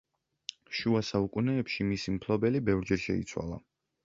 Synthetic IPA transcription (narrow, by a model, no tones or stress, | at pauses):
ʃuasaukʼunɛːpʃimisimpʰlˠɔbɛlibɛvɾd͡ʒɛɾʃɛ̰ḭt̪sʰwa̰lˠa̰